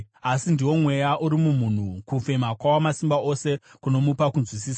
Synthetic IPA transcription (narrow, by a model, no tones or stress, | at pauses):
asindiwo̞mwe̞jaʔuɾimumun̤ukufe̞makwawamasimbao̞se̞kuno̞mupakunzwis̬iːsa